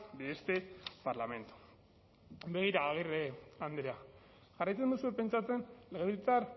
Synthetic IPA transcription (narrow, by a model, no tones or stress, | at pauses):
b̪eest̪epaɾlame̞nt̪u̥ | be̞ɣ̞iɾaːɣ̞ireand̪ɾea | ʝ̥arajt͡send̪usuepe̞nt͡ʃat͡se̞nle̞ɣeβit͡saɾ